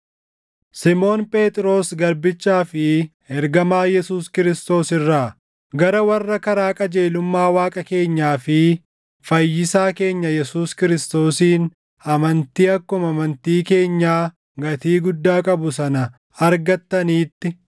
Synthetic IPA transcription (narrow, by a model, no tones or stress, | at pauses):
sɪmo̞ːnpʼe̞ːt̪ʼɪɾo̞ːsɡɐɾbɪt͡ʃːaːfɪhɛɾɡɐmaːjɛsuːskɪɾɪst̪o̞ːsɪrːaː | ɡɐɾɐwɐrːɐkɐɾaːkʼɐd͡ʒe̞ːlʊmːaːwaːkʼɐke̞ːɲːaːfɪ | fɐjːɪsaːke̞ːɲːɐjɛsuːskɪɾɪst̪o̞ːsiːn | ɐmɐnt̪iːɐkːʊmɐmɐnt̪iːke̞ːɲːaː | ɡɐt̪iːɡʊd̪ːaːkʼɐbʊsɐnɐ | ɐɾɡɐt̪ːɐniːt̪ːɪ